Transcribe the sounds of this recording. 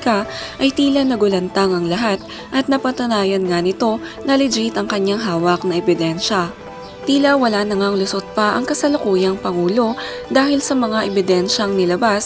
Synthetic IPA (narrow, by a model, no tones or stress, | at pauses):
kaʔɐjt̪iːlɐnɐɡʊlɐnt̪aŋɐŋlɐɦat̪̚ | ʔɐt̪̚nɐpɐt̪ʊnaːjɐnŋanɪt̪o̞nɐlɪd͡ʒit̪ɐŋkɐɲːaŋɦaːwɐk̚nɐɛbɪd̪ɛnʃɐ | t̪iːlɐwɐlaːnɐŋaŋlʊsot̪̚pɐʔɐ̰ŋkɐsɐlʊkuːjɐŋpɐŋuːlo̞d̪aːhɪlsɐmɐŋaʔɛbɪd̪ɛnʃɐŋnɪlɐbas